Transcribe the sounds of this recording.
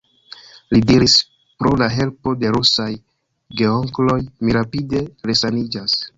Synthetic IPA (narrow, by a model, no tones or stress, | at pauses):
lidiɾis | pɾo̞laɦe̞lpo̞de̞ɾusaj | ɡe̞oŋklo̞jmiɾapide̞ɾe̞sanid͡ʒas